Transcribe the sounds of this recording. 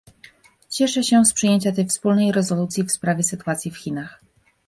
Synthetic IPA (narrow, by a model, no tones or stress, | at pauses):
t͡ɕɛʂɛɕɛspʂɨjeɲt͡ɕat̪ɛjfspulnɛjɾɛzɔlut̪sʲjifspɾavʲjɛsɘt̪uwat̪sʲjifxʲinax